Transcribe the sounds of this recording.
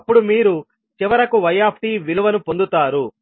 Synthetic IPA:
pːuɽumiːɾu | t͡ʃiʋɐɾɐkuʋɐjaːpʰʈiːʋiluʋɐnupo̞nd̪ut̪aːɾu

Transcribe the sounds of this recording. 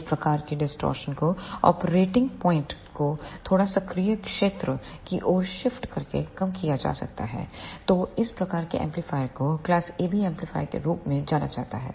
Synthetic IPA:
ɪspɾɐkaːɾkeɖɪsʈɔ̰ːɾʃənkoɔ̰ːpɾeːʈɪ̃ŋɡpɔːɪ̃ɳʈkot̪ʰoːɽasɐkɾijəkʃeːt̪ɾəkiʔɔːɾʃɪfʈkɐɾkḛkɐmkijad͡ʒa̰ːsɐ̰k̚t̪a̰ɦɛ̰ːt̪oːɪspɾɐkaːɾkḛʔɛ̰̃ːmplɪfaːɪkoklaːseːbiɛ̃ːmplɪfʰa̰ːjkḛɾuːpmẽd͡ʒaːna̰d͡ʒaːt̪a̰ɦɛ̰ː

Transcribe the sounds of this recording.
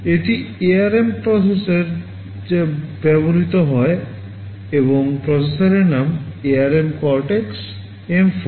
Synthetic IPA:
eʈieaɾempɾɔseseɾ | d͡ʑebɛboɾit̪oɦɔe | eboŋpɾɔsesaɾeɾnameaɾemkɔɾʈeks | emf

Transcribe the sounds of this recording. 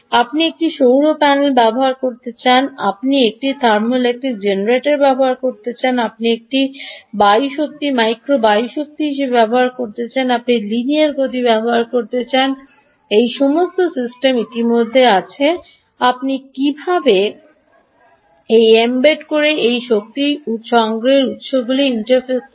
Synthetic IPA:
apniek̚ʈiʃowɾopɛnelbɛboɦaɾkoɾt̪et͡ɕana̰pniek̚ʈit̪ʰaɾmolek̚ʈik̚d͡ʑenɾeʈeɾbɛboɦaɾkoɾt̪et͡ɕanap̚niek̚ʈibajʃok̚t̪imajkɾobajʃok̚t̪iɦiʃebebɛboɦaɾkoɾt̪et͡ɕanapniliniaɾɡot̪ibɛboɦaɾkoɾt̪et͡ɕan | ejʃɔmost̪osisʈemit̪imod̪ʱːeat͡ɕʰe | apnikibʱabe | ejembeʈkoɾeejʃok̚t̪iut̪ʃoaŋɡɾeɾut̪ʃobɡuliiɳʈaɾfes

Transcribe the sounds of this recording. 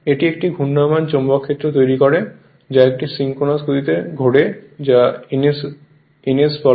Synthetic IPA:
eʈiek̚ʈiɡʱunːamant͡ɕɔmbakʰːet̪ːɾot̪ojɾikɔɾe | d͡ʑaek̚ʈisiŋkonaskut̪it̪eɡʱoɽed͡ʑas | enesbɔ

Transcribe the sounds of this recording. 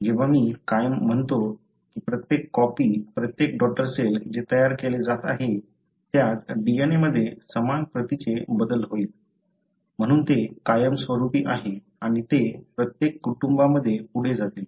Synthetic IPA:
d͡ʑeʋ̤amiːkajəm̤ːəɳt̪o | kiːpɾət̪jekːɔpiːpɾət̪jek̚ɖɔʈːəɾseld͡ʑet̪əjaɾkeled͡zat̪a̰ɦe | t̪jat̪ɖieneməd̪ʱːjesəmanpɾət̪it͡ɕebəd̪əlɦoiːt̪̚ | m̤əɽ̃uːnt̪ekajəmsʋəɾupiːʔaɦe | aɽ̃it̪epɾət̪jekːuʈumbaməd̪ʱːjepuɽ̤ed͡zat̪il

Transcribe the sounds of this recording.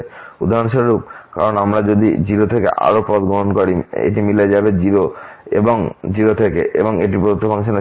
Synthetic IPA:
ud̪ʱaɦɾonʃɔɾɾup̚ka̰ɾonamɾad͡ʑod̪id͡ʑiɾot̪ʰekḛʔa̰ɾopɔt̪ɡɾoɦonkoɾiḛʈimiled͡ʑabed͡ʑiɾoḛboŋd͡ʑiɾot̪ʰekḛʔḛboŋeʈipɾod̪ot̪ːobʱaŋʃana

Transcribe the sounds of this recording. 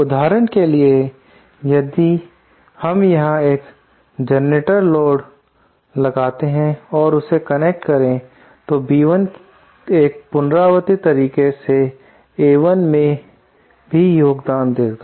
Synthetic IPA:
ʊd̪ʱaːɾənkelie | jɐd̪i | hɐmjɐɦãeːk | d͡ʒɐneʈəɾlɔːɖ | lɐɡaːt̪eɦɛ̃ɔːɾʊsekɐnek̚ʈkɐɾẽ | t̪obiːʋən | eːk̚pʊnɾaːʋət̪it̪ɐɾiːkese | eːʋənmẽ | bʱijoːɡd̪aːnd̪eːɡaː

